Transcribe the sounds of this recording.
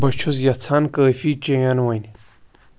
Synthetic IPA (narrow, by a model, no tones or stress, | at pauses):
bɐt͡ʃʰuzjɐt͡sʰankəːfit͡ɕẽjanwɐn